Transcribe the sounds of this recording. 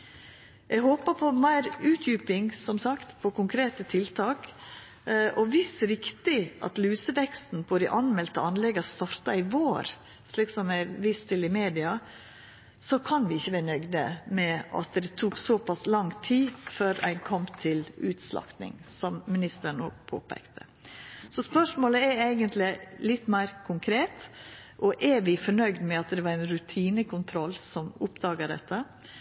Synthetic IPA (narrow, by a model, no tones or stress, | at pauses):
ʔɛɡɦoːpəɾpʰɔmæɪɾʉːt̪ʰjʉːpɪŋsɔmsɑkt̪pʰɔkʊŋkʰɾeːt̪ət̪ʰɪlt̪ʰɑːk | ʔɔʋɪsɾɪkt̪ɪʔɑ̰t̪lʉːsəʋɛkst̪n̩pʰɔd̪ɪʔɑnmɛlt̪əɑnlɛɡɑst̪ɑɾt̪ɑɪʋoːɾ | sliːksɔmæɪʋɪst̪ʰɪlɪmeːd̪ɪɑ | sɔkʰɑnʋɪɪçːəʋæːɾnœɡd̪ə̰mɛɑ̰t̪d̪ɛt̪ʰuːksɔpɑslɑŋt̪ʰiːføːɾæ̰ɪnkʰɔmt̪ʰɪlʉːt̪slɑ̰kt̪nɪ̰ŋsɔmːɪnɪst̪əɳo̰ːɡ̚pʰo̰ːpʰɛ̰kt̪ʰə̥ | sɔspœʂmoːləɛɾæɪɡənt̪lɪlɪt̪ːmæɪɾkʰʊŋkʰɾeːt̪ʔɔʔɛɾʋɪfɔɳœʏɡd̪mɛɑt̪d̪ɛʋɑɾæɪnɾʉt̪ʰiːnəkʰʊnt̪ʰɾɔlːsɔmʊpd̪ɑːɡəɖɛ̰t̪ʰːə